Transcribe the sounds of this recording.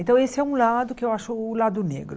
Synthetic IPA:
ẽt̪ɐ̃w̃esɪɛũlad̪ʊkɪewaʃʊːlad̪ʊnḛɡɾʊ

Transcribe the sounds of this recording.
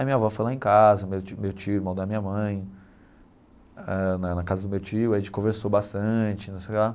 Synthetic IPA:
ajmĩɲɐvɔfojlaẽkazɐmewt͡ʃmewt͡ʃiʊmɐ̃w̃d̪ɐmĩɲɐmɐ̃j̃ | ɛnɐnɐkazɐd̪ʊmewt͡ʃiʊɐʒẽt͡ʃɪ̥kõveɾsowbast̪ɐ̃t͡ʃɪnũsejkla

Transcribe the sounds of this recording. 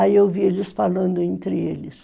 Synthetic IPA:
aiewvielɪsfalɐ̃nd̪ʊẽnt̪ɾɪelɪs

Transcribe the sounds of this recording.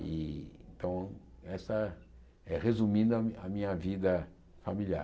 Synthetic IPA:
iẽt̪ɐ̃w̃ɛsɐ | ɛʁezumĩd̪ʊɐɐmĩɲɐvid̪ɐ | familia̰

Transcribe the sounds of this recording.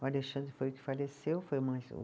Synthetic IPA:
aleʃɐ̃nd̪ɾɪfojʊkɪ̥falesewfojumazṵ

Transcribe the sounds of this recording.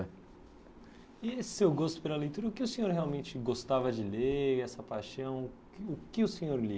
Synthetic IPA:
iesewɡost̪ʊpelɐlejt̪uɾɐʊkɪʊsẽɲoɾheawmẽnt͡ʃɪɡost̪avɐd͡ʒɪleɛsɐpajʃɐ̃w̃ | ʊkɪʊsẽɲoɾli

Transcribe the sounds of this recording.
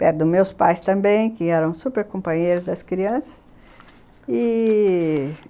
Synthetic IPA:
pɛɾd̪ʊmewspajst̪ɐ̃mbẽj̃kẽɛɾɐ̃w̃supeɾkõpɐ̃ɲejɾʊzd̪ɐskɾiɐ̃sɐ̥s | ɪ

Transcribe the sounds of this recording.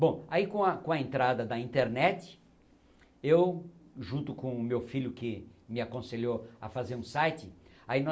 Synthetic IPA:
bõaikõɐkõɐẽnt̪ɾad̪ɐd̪ɐĩnt̪eɾnɛt̪ɪ̥ | ewʒũnt̪ʊkõʊmewfiʎjʊkɪmɪakõseʎoɐfazeɾũsajt͡ʃɪainɔ

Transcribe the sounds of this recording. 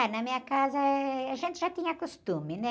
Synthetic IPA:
nɐmĩɲɐkazɐɐʒẽnt̪ɪʒat̪ĩɲɐkost̪ũmɪnɛ̃

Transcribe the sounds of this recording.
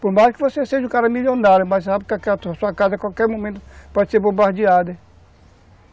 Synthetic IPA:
poɾmaskɪvoseseʒũkaɾɐmilõnd̪aɾmazsapkakɛat̪suakazɐkwawkɛɾmõmẽnt̪ʊpɔd͡ʒɪseɾbobahd͡ʒiad̪e

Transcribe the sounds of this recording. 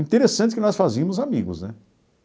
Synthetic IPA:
ĩt̪eɾesɐ̃nt͡ʃɪkɪnɔsfaziɐmʊzamiɡʊ̰znɛ

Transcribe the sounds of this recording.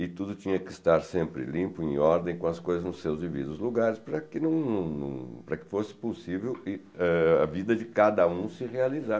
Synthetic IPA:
ɪt̪ud̪ʊt͡ʃĩɲɐkɪːst̪aɾsẽmpɾɪ̰lĩmpʊẽj̃ɔɾd̪ẽj̃kõɐskojzɐznʊsewzd͡ʒivḭd̪ʊzluɡaɾɪspɾɐkɪnɐ̃w̃nɐ̃w̃nɐ̰̃w̃pɾɐkɪ̥fosɪ̥posivewɪ | ɛɐ̰vid̪ɐd͡ʒɪkad̪ɐũsɪhealiza

